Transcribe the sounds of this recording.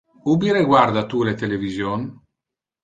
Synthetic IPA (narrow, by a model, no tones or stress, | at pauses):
ubiɾeɡward̪at̪ulet̪elevizjon